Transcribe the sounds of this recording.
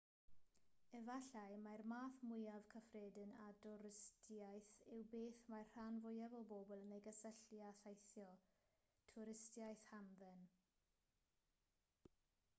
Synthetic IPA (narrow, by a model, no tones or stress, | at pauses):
ɛvaɬajmarmaːθmʊjav̥kʰəfreːdəna̰dɔɾɪstʰjajθɪwbeːθmarr̥anvʊjavɔboːbʊlˠənejɡəsəɬjaθajθjɔ | tʰʊɾɪstjajθhanðɛn